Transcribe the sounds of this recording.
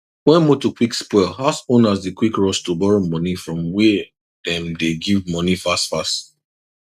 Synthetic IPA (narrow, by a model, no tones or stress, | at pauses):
wɛ̃nmotukʰwikspɔɪlhasõnazdikwikɹɔstubɔɹomɔnifɹɔ̃mwɛ | dɛ̃mdeɡivmɔnifastfast